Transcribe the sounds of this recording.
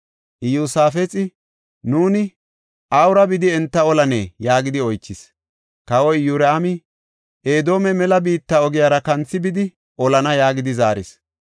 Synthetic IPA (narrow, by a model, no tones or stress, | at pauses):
ʔɪjuːsaːfɛt͡sʼɪ | nuːnɪ | ʔɐwɾɐbɪd̪ɪɛnt̪ːɐɔlɐnḛːjaːɡɪd̪ɪɔjt͡ʃːɪs | kɐwɔjjuɾɐamɪ | ʔeːd̪o̞ːmɛmɛlɐbiːt̪ːɐɔɡɪjaːɾɐkɐnt͡sːɪbɪd̪ɪ | ʔɔlɐnɐjaːɡɪd̪ɪzaːɾɪ̰s